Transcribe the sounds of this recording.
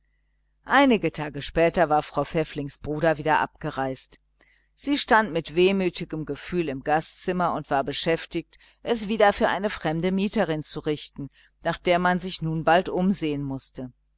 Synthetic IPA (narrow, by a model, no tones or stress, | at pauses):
ʔaɪnɪɡətʰaːɡəʃpɛːtɐvaːɐfʁ̥aʊfɛflɪŋsb̥ʁuːɾɐviːdɐʔa̰p̚ɡ̥əʁaɪst | z̥iːʃtantmɪtv̥eːmyːtɪɡəmɡəfyːlɪmɡastt͡sɪmɐʊntv̥aːɐbəʃɛftɪçt | ʔɛsv̥iːdɐfyːɐʔaɪnəfʁ̥ɛmdəmiːtəʁɪnt͡suʁɪçtn̩ | naːχd̥eːɐmanzɪçnuːnbaltʔʊmzeːənmʊstə